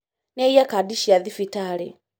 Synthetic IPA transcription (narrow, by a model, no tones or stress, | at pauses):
nɛijakadiʃiaðifitalɛ̰